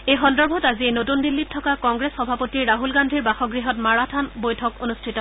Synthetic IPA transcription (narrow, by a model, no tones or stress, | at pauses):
ejxɔndɔɹbʱɔtazienotundilːitʰːɔkakɔŋɡɹesxɔbʱapotiɹːaɦulɡandʱiɹbaxɔɡɹiɦɔtmaɹatʰanbojtʰɔkonustʰitɔ